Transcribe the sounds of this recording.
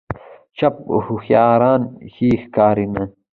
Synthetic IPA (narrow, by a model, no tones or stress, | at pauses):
t͡ʃɐp̚huxjaːɾaːnhiːxkaːɾinɐ